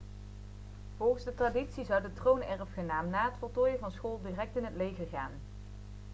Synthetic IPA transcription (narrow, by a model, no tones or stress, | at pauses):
v̥ɔlˠχənzdətraːditsizʌwdətrownɛrfχənaːmnaːɦətfəɹtɔːjəvɑnsχoːlˠdiːrɛk̚tɪnɦətlejvəɹɣaːn